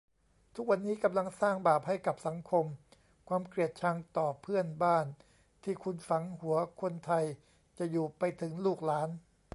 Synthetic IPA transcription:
t̪ʰu˦˥k̚wa˧nːiː˦˥ka˧mla˧ŋsaː˥˩ŋbaː˨˩p̚ha˥˩jka˨˩p̚sa˩˦ŋkʰo˧m | kʰwaː˧mkɾi˨˩ət̪̚t͡ɕʰa˧ŋt̪ɔː˨˩pʰɯ˥˩ənbaː˥˩n | t̪ʰiː˥˩kʰu˧nfa˩˦ŋhu˩˦ɐkʰo˧nt̪ʰa˧j | t͡ɕa˨˩juː˨˩pa˧jt̪ʰɯ˩˦ŋluː˥˩k̚laː˦˥n

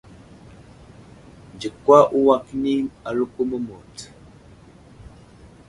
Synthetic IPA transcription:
n˨d͡ʒi˨kwa˦ʔu˦wa˦kni˦a˨lu˦pə˦mə˦mo˨t

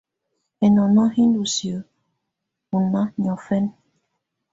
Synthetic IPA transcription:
ɛ˨nɔ˨na˦hi˦ndu˨si˨ə˨˦ | u˨na˦ɲɔ˨fɛ˦n

